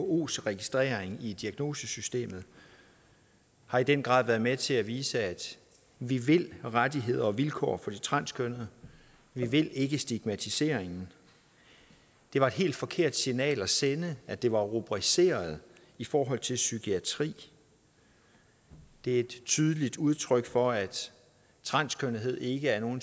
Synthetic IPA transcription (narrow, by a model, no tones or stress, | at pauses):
oo̝̰ːsʁɛɡ̥isd̥ʁɛ̰ːɐeŋid̥iæɡ̥no̝ːsəsysd̥e̝̰ːmð̩ˠ | hɑ̈id̥enɡ̥ʁɑ̈ðˠʋæɐðˠmet͡sʰe̝æʋiːsəæd̥ | ʋiʋe̝l̰ʁadiɦe̝ð̞̰ˠɐɒ̽ʋilkʰɒ̰ːfɒ̽d̥it͡sʰʁɑ̈n̰skʰønð̩ˠ | ʋiʋe̝l̰e̝ɡ̥əsd̥iɡ̥mæt͡sʰise̝̰ːɐ̰eŋn̩ | d̥e̝ʋɑ̈e̝d̥ɦe̝̰ːld̥fɒ̽kʰe̝ɐ̰d̥sinɛ̰ːlæsenəæd̥e̝ʋɑ̈ʁob̥ʁise̝̰ːɐð̞̩ˠ | ifɒːɦɒ̽l̰t͡sʰe̝lsyɡ̥ʰiæt͡sʰʁḭː | d̥e̝æe̝d̥t͡sʰyðˠəlid̥uð̞ˠt͡sʰʁœɡ̥fɒ̽æd̥ | t͡sʰʁɑ̈n̰skʰønəɦe̝ð̞̰ˠe̝ɡ̥əæɐno̝ːn